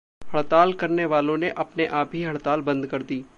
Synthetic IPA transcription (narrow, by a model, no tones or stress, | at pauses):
hɐɽt̪aːlkɐɾneʋaːlõneʔɐpneʔaːpɦiɦɐɽt̪aːlbɐ̃nd̪kɐɾd̪iː